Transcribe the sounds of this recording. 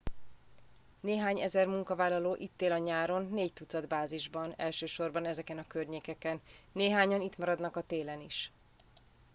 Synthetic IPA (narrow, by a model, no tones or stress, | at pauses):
neːɦaːɲɛ̰zɛrmuŋkɒvaːlːɒloːʔit̪ːeːlɒɲaːɾo̞nːeːct̪ut̪sɒd̪baːziʒbɒnɛ̰lʃøːʃo̞rbɒnɛzɛkɛnɒkørɲeːkɛkɛnː | eːɦaːɲɒnit̪mɒɾɒd̪nɒkɒt̪eːlɛniʃ